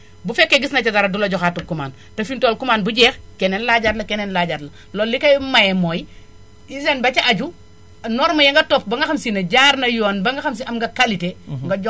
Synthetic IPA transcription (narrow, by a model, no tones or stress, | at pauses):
bufɛkːeɡisnɐt͡ʃɐdaɾɐdulɐɟɔxatukumaːn | tɐfintoːlkumaːnbuɟɛːxkɛnenlaːɟatlɐkɛnenlaɟaɾlɐ | lolːikɐjmajɛmoj | isenbɐt͡ʃɐʔaɟu | nɔɾmɐjɐŋɡɐtɔp̚bɐŋɡɐxɐmsinɐɟaːɾnɐjɔːnbɐŋɡɐxɐms̬iɐmŋɡɐkaliteŋɡɐɟ